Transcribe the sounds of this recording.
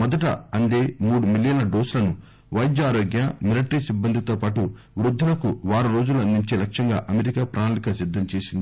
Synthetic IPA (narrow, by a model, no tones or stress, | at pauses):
mɔd̪ɐʈɐ̰ɐnd̪eːmuːɽumilijɐnɐɖoːslɐnu | ʋɐjd͡ʒaːɾoːɡjɐmiliʈɐɾisibːɐnd̪ʱit̪o̞ːpaːʈu | ʋɾud̪ʱːulɐkuʋaːɾuɾo̞ːd͡ʒuluɐnd̪iɲt͡ʃeːlɐkʂɐŋɡaːʔɐmeɾikaːpɾʔaːnalikaːsid̪ʱːɐmt͡ʃe̞ːsind̪ii